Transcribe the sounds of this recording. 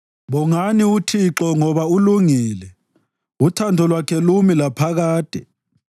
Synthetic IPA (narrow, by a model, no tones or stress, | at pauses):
ɓɔŋaniutʰiǁɔŋɔβauluŋiːlɛ | utʰandʱɔlwakʰɛlumilapʰaɣaːd̥ʱʼɛ